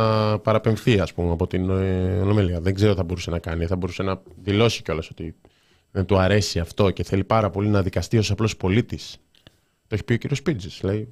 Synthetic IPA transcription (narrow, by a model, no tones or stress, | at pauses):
pɐɾɐpe̞ɱθiɐspumeɐpo̞t̪inolo̞meliɐðeŋɡzeɾt̪iθɐbo̞ɾusenɐkɐniθɐbo̞ɾuse̞nɐðilo̞si̥ceo̞lɐso̞t̪i | ðent̪uɐɾe̞siɐft̪o̞ce̞θe̞lipɐɾɐpo̞linɐðikɐst̪io̞sɐplo̞spo̞lit̪is | t̪oeçi̥pio̞ciɾio̞spid͡zislɐi